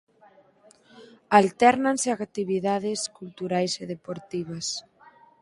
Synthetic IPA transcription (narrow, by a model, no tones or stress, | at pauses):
alt̪ɛɾnanseakt̪iβiðaðɪskult̪uɾajseðepoɾt̪iβ̞ɐs